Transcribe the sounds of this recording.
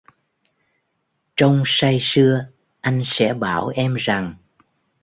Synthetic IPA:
t͡ɕɔ˧wŋ͡msa˧jsɨ˧ə | ʔa˧jŋ̟sɛ̰˧˥ɓaː˧˩wʔɛ˧mza˨˩ŋ

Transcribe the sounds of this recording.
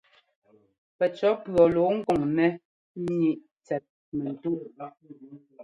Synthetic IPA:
pɛ˨t͡ʃɔ˨˦pɰɔ˨lo˨˦ŋ̩˦kɔ˨ŋnɛ˦ | ɲi˨ʔ | t͡sɛ˨t̚ | mɛ˨n̩˨tu˦ʔ

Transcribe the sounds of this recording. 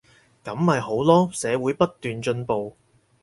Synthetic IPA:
kɐ˨˧˥mhɐ˨jɦo˨˥wlɔː˥sɛː˨˧wuː˨˥jpɐ˥t̚t̪yː˨nt͡ʃɵ˧npo˨w

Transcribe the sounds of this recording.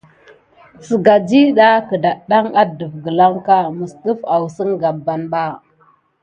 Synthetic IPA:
sə˨ɡa˨d͡ʒi˦ɗa˦kə˨da˨ɗa˦ŋa˦də˨vɡə˨la˦ŋka˦mə˨sɗə˦fa˨wsə˦ŋɡa˨bːa˨nɓa˦

